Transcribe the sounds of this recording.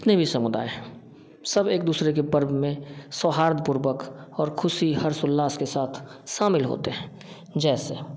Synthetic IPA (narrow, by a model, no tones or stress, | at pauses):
ɪt̪nebʱisɐmʊd̪a̰ːeɦɛ̃ː | səbeːk̚d̪uːsɾek̬epəɾbmẽsɔːɦaːɾd̪̚pʊɾwəkɔːɾkʰʊsiɦəɾsʊlːaːskesaːt̪ʰʃaːmɪlɦo̰ːt̪eɦɛ̃ː | d͡ʒɛːseː